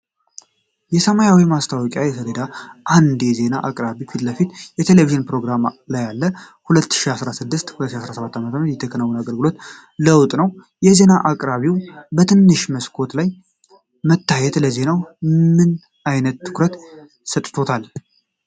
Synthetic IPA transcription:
jɛsəmajawimast̪ʰawɔkʼjajɛsʰələd̪aʔand̪jɛze̞naʔakʼɾaβifit̪ləfit̪jɛt̪ʰe̞leviʒɨnpɾo̞ɡɾamlajːalːə | hulət̪ːɨ̥ʃiasɾasɨd̪ːɨst̪hulət̪ːʃiasɾasəβat̪ːamət̪ʰəmɾət̪jɛt̪ʰːəkʰənəwːunaɡəlɡɨlo̞t̪ | ləwt̪ʼnəw | jɛze̞naʔakʼɾaβiwbət̪ʰɨnːɨʃməskʰo̞t̪laj | mət̪ʰːajɛt̪ləze̞nawmɨn | ajnət̪ːɨ̥kɾət̪ | sət̪ʼt̪ʰo̞t̪ʰal

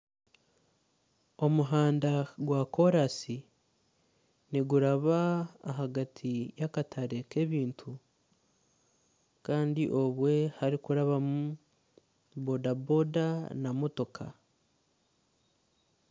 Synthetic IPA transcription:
o̞muɦaːndaɡwako̞ɾasi | niɡuɾaβa̰ːɦaɡatʰijakatʰaɾe̞ke̞βiːntʰu | kaːndiʔo̞βwe̞haɾikuɾaβamu | bodabo̞danamo̞to̞kʰa̰

